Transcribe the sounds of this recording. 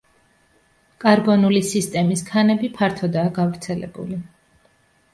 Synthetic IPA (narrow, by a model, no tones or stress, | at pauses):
kʼaɾbɔnulisist̪ʼɛmiskʰanɛbipʰaɾt̪ʰɔd̪aːɡavɾt̪sʰɛlɛ̰bṵli